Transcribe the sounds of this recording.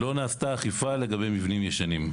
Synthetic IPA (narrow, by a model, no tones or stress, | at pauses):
lo̞naːst̪aːχifale̞ɡabe̞jmivnimjeʃanim